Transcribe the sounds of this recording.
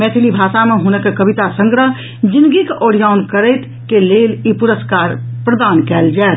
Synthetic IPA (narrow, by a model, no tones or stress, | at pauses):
mɛːt̪ʰilibʱaːsameɦunəkekəbit̪asə̃ŋɡɾəɦ | d͡ʒĩnd̪ɡikeʔɔɾijaːunkəɾəɪt̪ | keleːlipuɾəskaːɾpɾəd̪aːnkɛːld͡ʒaet̪